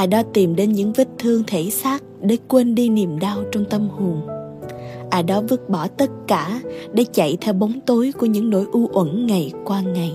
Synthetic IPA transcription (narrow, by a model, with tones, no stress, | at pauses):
ʔaː˨˩ɗɔ˨˦t̪i˨˩mɗe˨˦nɲɨ̰˧˥ŋvi˦˥k̚t̪ʰɨ˧əŋt̪ʰe˧˩saː˦˥t̚ɗe˧˦kwe˧nɗi˧ni˨˩əmɗaː˧wt͡ɕɔ˧wŋ͡mt̪ə˧mhu˨˩ŋ | ʔaː˨˩ɗɔ˨˦vɨ˦˥t̚ɓɔ˧˩t̪ə˦˥t̚kaː˧˩ɗe˧˩˦t͡ɕa̰˧˨jt̪ʰɛ˧wɓo˨˦wŋ͡mt̪o˨˦jku˧˩əɲɨ̰˧˥ŋno̰˧˥jʔu˧ʔwə̰˧˩nŋa˨˩jkwaː˧ŋa˨˩j